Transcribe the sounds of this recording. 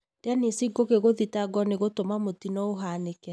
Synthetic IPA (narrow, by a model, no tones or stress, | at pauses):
d̥eanesiɡoɣeɣoðitaɡɔneɣotomamotinɔoɦanekɛ